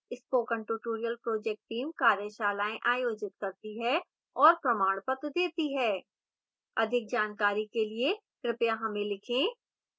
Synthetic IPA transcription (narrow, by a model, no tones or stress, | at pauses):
ɪspoːkə̃ɳʈuʈoːɾijəlpɾoːd͡ʒɛːk̚ʈʈiːmkaːɾjəʃaːlaːẽʔaːjoːd͡ʒɪt̪̚kɐɾt̪iɦɛ | ɔːɾpɾɐmaːɽ̃pət̪d̪eːt̪iɦɛː | ɐd̪ʱɪk̚d͡ʒaːnkaːɾikelie | kɾɪpjaɦɐmẽlɪkʰẽː